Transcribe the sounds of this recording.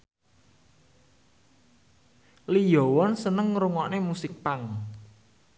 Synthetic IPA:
lijɔwɔnsənəŋɾuŋɔʔnemusɪk̚paŋ

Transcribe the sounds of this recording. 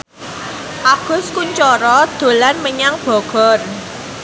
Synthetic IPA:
ʔaɡ̥ʊ̤skuɲt͡ʃɔɾɔd̪̥o̤lanməɲaŋb̥ɔ̤ɡ̥ɔ̤r

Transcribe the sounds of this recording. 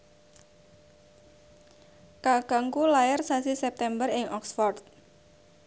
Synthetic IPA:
kaɡaŋkulaɪrsasisɛp̚t̪ɛmbərɪŋʔɔksfɔrt̪̚

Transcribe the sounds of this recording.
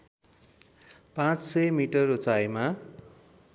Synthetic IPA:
pãt͡ssʌjmiʈʌrot͡sajma

